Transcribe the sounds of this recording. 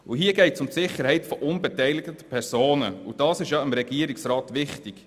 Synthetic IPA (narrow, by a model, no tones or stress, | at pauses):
uɦiəɡɛɪtsʊmtsɪχːəɾhɛɪtfɔʔʊnbɛtɛɪlɪɡtə̥pʰɛɾsoːnəṵd̥ɑːsɪʃjɑɪmɾɛɡiəɾɪksɾɑːtʋɪχtɪk